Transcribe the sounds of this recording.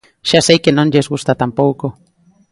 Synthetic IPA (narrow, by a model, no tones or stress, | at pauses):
ʃasejkenonɟesɡust̪at̪ampowko